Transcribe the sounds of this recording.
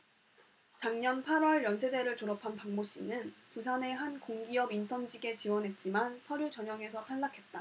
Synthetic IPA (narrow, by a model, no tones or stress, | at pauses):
t͡ɕaŋɲʌnpʰaɾwʌɭjʌnsʰe̞de̞ɾɯɭtoɾʌpʰanpaŋmoɕ͈ḭnɯnpus̬ʰane̞ɦankoŋɡiʌbintʰʌnd͡ʑiɡe̞t͡ɕiwʌnɦe̞t̚t͡ɕ͈imansʰʌɾjut͡ɕʌɲʌŋe̞sʰʌtʰaɭːakʰe̞t̚t͈a